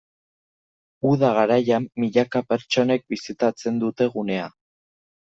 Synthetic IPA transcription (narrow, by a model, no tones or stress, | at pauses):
uðaɣaɾajamːiʎakape̞ɾt͡ʃo̞ne̞k̚bisit̪at͡se̞nd̪ut̪e̞ɣune̞a